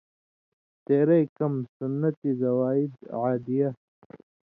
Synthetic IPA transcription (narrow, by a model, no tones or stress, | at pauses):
t̪eːɾɐjkɐmsunːɐt̪izɐwaːid̪ʕaːd̪ijɐ